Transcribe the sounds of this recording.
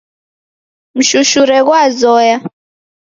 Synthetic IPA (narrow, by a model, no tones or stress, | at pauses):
m̩ʃuʃuɾɛk̬wazɔːja